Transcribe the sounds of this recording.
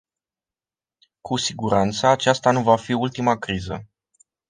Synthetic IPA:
kʰusiɡuɾant̪səat͡ʃast̪anuvafiult̪imakɾizə̰

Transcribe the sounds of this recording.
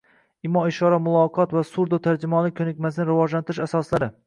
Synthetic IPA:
ɪmɒɪʃɒɾamʊlˠɒqʰɒt̪vasuɾd̪ʊt̪ʰaɾd͡ʒɪmɒnɪkʲʰɵnɪkʲmasnɪɾɪvɒd͡ʒlant̪ʰɪɾɪʃasɒslaɾɪ

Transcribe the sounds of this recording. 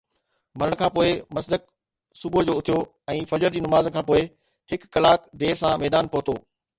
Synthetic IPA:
mɐɾəɽ̃ə̆kʰãːpoːɪmɐsd̪ək | sʊbod͡ʑoːʊt̪ʰijo | ɛ̃ːfɐd͡ʑəɾd͡ʑiːnɐmaːzkʰãːpoːɪ | hɪkːɐlaːkd̪eːsãmɛːd̪aːnpoːt̪oː

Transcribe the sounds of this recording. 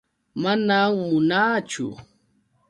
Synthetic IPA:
manaŋmʊnaːt͡ʃʊ̰

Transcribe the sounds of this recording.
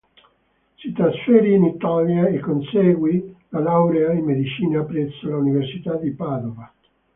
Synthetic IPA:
sit̪ɾasfɛːɾiːnit̪aljaekːonsɛːɡwilalawɾead̪imed̪it͡ʃiːnaːpːɾɛt̪sːolauniversit̪ad̪ipaːd̪ova

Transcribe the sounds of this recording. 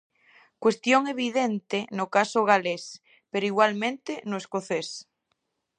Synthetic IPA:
kwest̪joŋeβ̞iðent̪enokasoɣales | peɾoiɣwalmẽnt̪enoeskoθes

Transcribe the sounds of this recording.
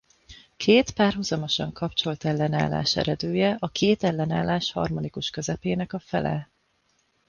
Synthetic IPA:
kʰeːt̪paːrɦuzɒmo̞ʃɒ̰ŋkɒpt͡ʃo̞lt̪ɛlːɛna̰ːlːa̰ːʃɛ̰ɾɛd̪øːjɛʔɒkʰeːt̪ɛlːɛnaːlːaːʃhɒ̰rmo̞nikuʃkø̞zɛpeːnɛkɒfɛlɛ̰

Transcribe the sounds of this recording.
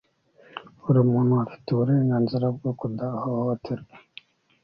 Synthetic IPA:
uɾimuːnhuafi̥teβuɾeːŋɡaːnziɾab̚ɡokundaːhootʰiɾɡe

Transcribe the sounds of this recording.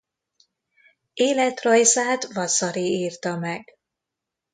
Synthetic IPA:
eːlɛt̪rɒjzaːt̪vɒsɒɾiiːrt̪ɒmɛɡ

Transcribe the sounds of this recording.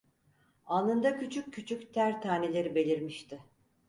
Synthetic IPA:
alˠɯnd̪acyt͡ʃʰykʰːyt͡ʃʰykt̪ʰæɾt̪ʰaːne̞lʲe̞ɾibe̞lʲiɾmiʃt̪ʰɪ

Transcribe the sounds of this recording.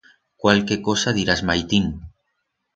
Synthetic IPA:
kwalkekosaðiɾazmajt̪iŋ

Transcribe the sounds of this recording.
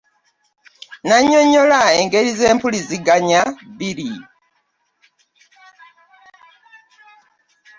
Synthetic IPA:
naɲoɲolaeŋɡelizeːmpuliziɡaɲabili

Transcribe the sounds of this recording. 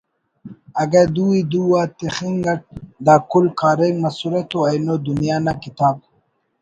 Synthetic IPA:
ɐɡad̪uid̪uwat̪exiŋɡaʈ̚d̪aːkulkaːɾeŋmɐsuɾet̪oajnod̪unjaːnakit̪aːb̚

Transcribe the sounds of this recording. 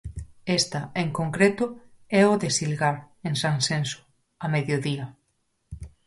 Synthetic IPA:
est̪aeŋkoŋkɾet̪ʊɛoðesilɣaɾ | ensansenso̥ | ameðjoðiɐ

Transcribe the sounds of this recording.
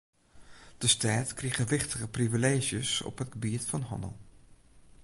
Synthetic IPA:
d̥əstaːtkriχəʋɪχtəɣəprivileːʒjəsɔ̰pɦətɡəbiətfɑnɦɑ̰nə̰lˠ

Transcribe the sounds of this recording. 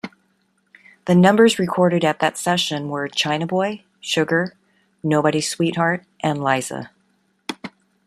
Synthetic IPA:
ðɨnʌ̃mbə˞zɹɨkʰɔɹɾɨɾɨt̪̚ðɨtsɛʃɨ̃nwə˞t͡ʃʰãɪ̃ñɨbɔɪ | ʃʊɡə˞ | noʊbɨɾiz̥swit̚hɑɹɾ | ʔɨ̃nlaɪzə̰

